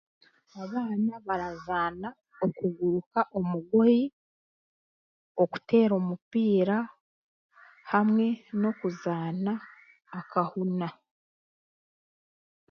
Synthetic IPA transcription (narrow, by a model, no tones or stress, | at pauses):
aβaːnaβaɾazaːna | o̞kuɡuɾukaʔo̞muɡo̞ji | o̞ku̥te̞ːɾo̞ːmupiːɾa | hamŋe̞no̞kuzaːnaː | kahuna